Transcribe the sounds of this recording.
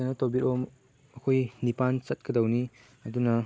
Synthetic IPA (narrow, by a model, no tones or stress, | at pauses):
anɐtobitom | ɐkʰojnipant͡ʃɐt̚kɐdɐwni | ɐdunɐ